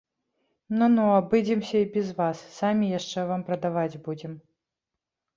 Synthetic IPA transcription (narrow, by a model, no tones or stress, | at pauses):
nunuabɨd͡zʲɛmsʲɐibʲɛzvasːamʲijaʂt͡ʂɛvampɾɐd̪avad͡zʲbud͡zʲɛm